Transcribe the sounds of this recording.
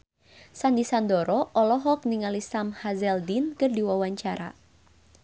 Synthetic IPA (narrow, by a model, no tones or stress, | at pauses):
sandisandɔɾɔʔɔlɔɦɔk̚niŋalisamhazɛldinkərdiwawaɲt͡ʃaɾa̰